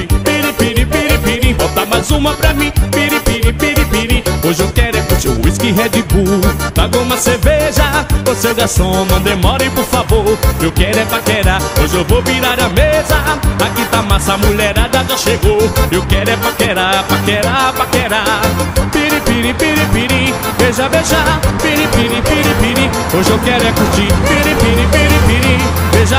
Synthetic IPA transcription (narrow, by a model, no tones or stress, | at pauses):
piɾipiɾipiɾĩpiɾĩbɔt̪amajzũmɐpɾɐmĩpiɾipiɾĩpiɾipiɾĩoʒewkɛɾʊɛput͡ʃõ̰iskɪɦɛd͡ʒɪbut̪aɡũmɐseɾveʒɐosewɡasõmɐ̃d̪emɔɾẽpoɾfavoɾewkɛɾɛpɾakeɾaoʒewvoviɾaɾɐmezɐakit̪amasɐmuʎɛɾad̪akaʃeɡoewkɛɾɛpɾakeɾapɾakɛɾapɾakeɾapiɾĩpiɾipiɾĩpiɾi | beʒɐbeʒɐpiɾipiɾĩpiɾipiɾi | oʒewkɛɾʊɛkuɾt͡ʃipiɾĩpiɾĩpiɾipiɾi | beʒɐ